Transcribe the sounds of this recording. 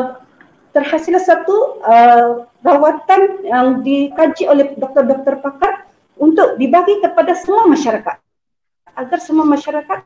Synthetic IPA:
t̪ərhasilasat̪uə | rawat̪anjaŋdikad͡ʒiʔolɛhdɔk̚t̪ɔrbər̚t̪ɔrpakar | unt̪ʊk̚dibaɡikəpadasəmuamaʃaɾakat̪̚ | ʔaɡarsəmuamaʃaɾakat̪̚

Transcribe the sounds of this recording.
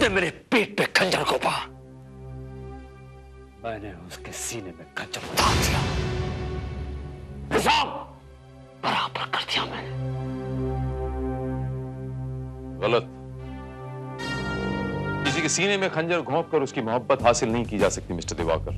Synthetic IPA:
nɛ̃meːɾepiːʈ̚pekʰɐ̃ɲd͡ʒəɾkʰoːpaː | mɛ̃ːneʊskesiːnemẽkʰɐ̃ɲd͡ʒəɾkot̪ʰaːɾd̪ijaː | ɪzaːb | b̥ɐɾaːbəɾkɐɾd̪ijamɛ̃ː | ɣɐlət̪̚ | d͡ʒɪsikesiːnemẽkʰɐ̃ɲd͡ʒəɾɡʱõːp̚kɐɾʊskimʊɦəbːət̪ɦaːsɪlnɐɦĩkid͡ʒaːsɐk̚t̪imɪsʈəɾd̪ɪʋa̰ːkəɾ

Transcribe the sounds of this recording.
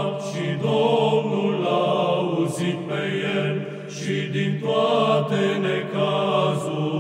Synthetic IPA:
pʃid̪omnulauzit̪pejel | ʃid̪int̪oat̪elekazu

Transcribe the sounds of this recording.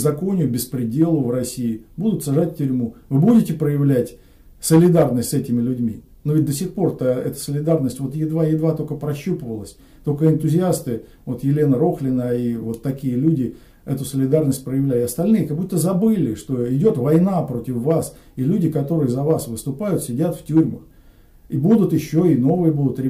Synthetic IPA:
zɐko̞nʲɪjʊbʲɪspɾʲɪdʲe̞lˠʊvrɐsʲijɪbud̪ʊt̪sɐʐatʲfʲtʲʏɾʲmuvɨbudʲɪtʲɪpɾəjɪvlʲætʲ | səlʲɪd̪arnəsʲtʲsɛtʲɪmʲɪlʲʉdʲmʲḭ | nuvʲɪt̚ʲd̪əsʲɪxpo̞rt̪əɛ̰t̪ə̥səlʲɪd̪arnəsʲtʲvo̞t̪jɪd̪vajɪd̪vat̪o̞kəpɾɐɕːupəvəlˠəsʲ | t̪o̞kəɪnt̪ʊzʲɪast̪ɨ | vo̞t̪jɪlʲe̞nəɾo̞xlʲɪnəivo̞t̪ːɐkʲijəlʲudʲɪ | ɛt̪ʊsəlʲɪd̪arnəsʲt̚ʲpɾəjɪvlʲælʲɪɪɐst̪ɐlʲnɨjəkɐɡ̚but̪ːəzɐbɨlʲɪʂt̪o̞ɪdʲo̞t̪vɐjnapɾotʲɪfːas | ilʲudʲɪkɐt̪o̞ɾɨjəzɐvasvɨst̪ʊpajʊt̪sʲɪdʲat̪ftʲuɾʲməx | ibud̪ʊt̪ɪɕːo̞ɪno̞vɨjəbud̪ʊt̪ɾʲɪ

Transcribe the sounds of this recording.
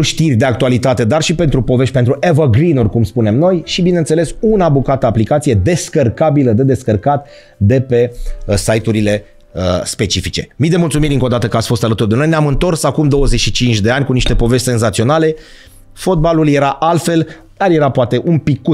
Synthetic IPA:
uʃt̪irʲd̪e̞ak̚t̪ualit̪at̪e̞d̪arʃipe̞nt̪ɾupo̞ve̞ʃt̪̚ʲpent̪ɾuʔevəɡɾinurʲkumspune̞mno̞jʃibine̞nt̪sele̞sunabukat̪əaplikat̪sije̞d̪e̞skərkabiləd̪e̞d̪e̞skərkat̪ | d̪e̞pe̞sajt̪uɾile̞ | əspe̞t͡ʃifit͡ʃe̞mijd̪e̞mult̪sumiɾʲɨŋko̞d̪at̪əkəatsʲfo̞st̪alət̪urd̪e̞no̞jneamɨnt̪o̞rsakumd̪o̞wəzet͡ʃʃit͡ʃint͡ʃʲd̪e̞anʲkuniʃt̪e̞po̞ve̞sʲt̪senzat̪sio̞nale̞ | fo̞t̪̚balulje̞ɾaʔalfe̞l | d̪̥arje̞ɾapoat̪e̞ʔunpikːu

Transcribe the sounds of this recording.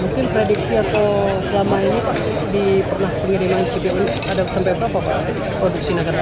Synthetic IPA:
muŋkɪnpɾediksiat̪awsəlamainipa | dipərnahpəŋiɾimant͡ʃut̪iʔun | adasampajapapapa̰d | ɾoduksinakara

